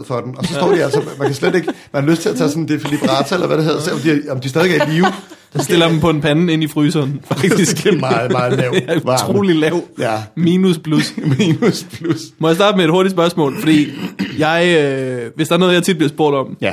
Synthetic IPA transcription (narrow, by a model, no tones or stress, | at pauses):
fɒd̥enɒ̽sɒsːdiælsəmænkʰæsled̥e̝ɡ̥mænhɑløsd̥t͡sʰe̝læt͡sʰɛsɔ̽nd̥e̝filib̥ʁɑːt͡sʰæelɐʋæɾeɦeðˠɐseɒmd̥iɒmd̥isdɛðˠeɡɐiːʊsɒsd̥e̝l̰ɐd̥em̩pʰɒ̽enpʰæn̩e̝nifʁyːsɐːnfɑɡ̥d̥isɡ̥̩ˠ | ʊ̰ʁo̝̰ːlilɛʊ̰miːnuspʰlusinuspʰlusmɒ̽jsd̥ɑ̈ːd̥əmeed̥ho̝ɐɾ̥ids̬pɶɐsmɔ̰̽ːlfɒd̥ḭːjɑ̈ɪøʋesd̥ɑ̈ænɔð̩ˠjɐt͡sʰid̥̚b̥liɐsb̥o̝ɐd̥ɒ̽mjæ